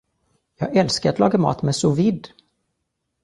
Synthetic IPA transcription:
jɑːɡɛlskaɾat̪lɑ̰ːɡamɑ̰ːt̪mɛsʊvɪd̪ː

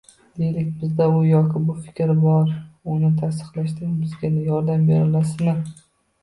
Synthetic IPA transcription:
d̪̥e̞jlɪkʲbɪzd̪aʊjɒkʲʰɪbʊfɪ̥kʲɾɪbɒɾʊnɪt̪ʰas̬t̪ɨ̥qlˠaʃt̪ɪŋbɪzɡʲanɪjɒɾd̪ambe̞ɾɪlasɪnɪ

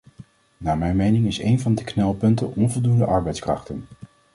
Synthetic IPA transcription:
naːmɛjnmejnɪŋɪsḛjnvɑndəknɛlˠpɵntənʔɔnvɔlˠdundəʔɑɹbɛjtskrɑ̰χtən

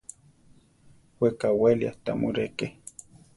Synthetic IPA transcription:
wekawelja̰t̪amuɾeke

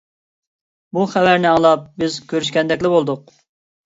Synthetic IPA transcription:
buχævæɾnɪɑŋlˠɑp̚bɪzkʲʰøɾyʃkʲɛnd̪ɛkʲlɪbolˠd̪ʊq̚

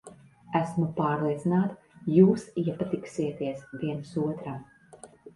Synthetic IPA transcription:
æsmupaːɾlˠiɛt̪sinaːt̪ | juːsiɛpat̪iksiɛt̪iɛsviɛnsuɔt̪ɾam

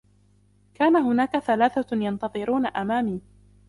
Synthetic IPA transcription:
kaːnaɦʊnaːkaθalaːθajɑnt̪ɑðˤɨɾuːnaʔamaːmiː

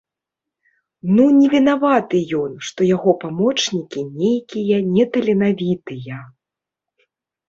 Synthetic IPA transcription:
nunʲɛvʲinavat̪ɨjɔnʂt̪ɔjaɣɔpamɔt͡ʂnʲikʲinʲejkʲijɐnʲɛt̪ɐlʲɛnavʲit̪ɨjɐ

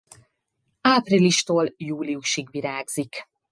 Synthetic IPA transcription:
aːpriliʃt̪oːljuːliuʃiɡʋiɾaːɡz̥ik

